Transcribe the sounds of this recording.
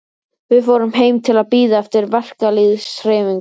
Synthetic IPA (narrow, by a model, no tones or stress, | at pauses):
vɪðfoːwɾʏmɦeːjmt̪ʰɪlaðpiːðaɛft̪ɪɾvɛr̥kaliðsɾɛːviŋk